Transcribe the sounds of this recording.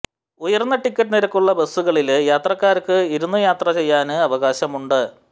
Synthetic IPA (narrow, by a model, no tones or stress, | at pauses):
ujɐrnːɐʈikːɐʈːɨniɾɐkːuɭːɐbesːuɣɐɭiljaːt̪rɐkːaːɾkːɨiɾunːujaːt̪rɐt͡ɕe̞jːaːnɨɐʋɐɣaːɕɐmuɳɖɨ